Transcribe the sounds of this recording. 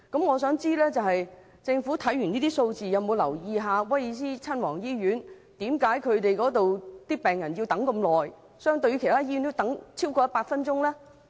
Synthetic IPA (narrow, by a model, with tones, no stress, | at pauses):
kɐ˨˥mŋɔː˨˧s̬œː˨˥ŋt͡siː˥lɛː˥t͡sɐ˨whɐ˨j | t͡sɪ˧ŋfu˨˥t̪ʰɐ˨˥jyː˨˩niː˥t̪iː˥so˧wt͡siː˨jɐ˨˧wmo˨˧wlɐ˨˩wjiː˨ɦaː˨˧wɐ˥jiː˨˧s̬iː˥t͡sʰɐ˥nwɔː˨˩ŋjiː˥jyː˨˥n | t̪iː˨˥mkaː˨˥jkʰɵ˨˧ɥt̪e˨jkɔː˨˥t̪o˨wt̪iː˥pɛː˨˩ŋjɐ˨˩nji˧wt̪ɐ˨˥ŋkɐ˧mlɔː˨j | sœː˥ŋt̪ɵ˧jy˧kʰe˨˩t̪aː˥ji˥y˧˥nt̪o˥wt̪ɐ˨˥ŋt͡sʰiː˥wkɔː˧jɐ˥tpaː˧t̚fɐ˥nt͡ʃʊ˥ŋlɛː˥